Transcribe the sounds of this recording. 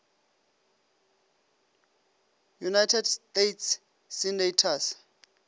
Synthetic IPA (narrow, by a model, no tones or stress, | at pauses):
junajtʰɛdstetʰsː | inetʰas